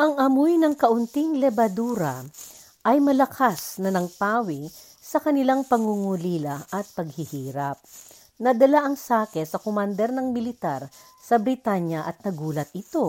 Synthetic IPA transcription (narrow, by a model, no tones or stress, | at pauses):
ʔɐŋɐmojnɐŋkɐʔʊnt̪iŋlɛbɐd̪uːɾɐ | ʔɐjmɐlɐkʰasnɐnɐŋt̪aːwɪ | sɐkɐnɪlaŋpɐŋuŋuliːlɐʔɐt̪̚pɐɡ̚hɪhiːɾɐp̚ | nɐd̪ɐlaʔɐŋsaːkɛsɐkomand̪ɛɾnɐŋmɪlɪt̪aɾ | sɐbɾɪt̪aɲjɐʔɐt̪̚nɐɡuːlɐt̪̚ɪt̪o̞